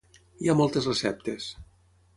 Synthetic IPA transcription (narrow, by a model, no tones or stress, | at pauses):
iamɔlˠt̪ezresɛp̚t̪es